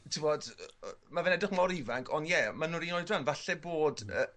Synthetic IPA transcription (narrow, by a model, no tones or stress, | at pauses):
tʰɪvɔd̥mavɛnɛdɪχmɔɾivaŋkʰɔnjɛmanuɾinɔɨdranvaɬɛboːdə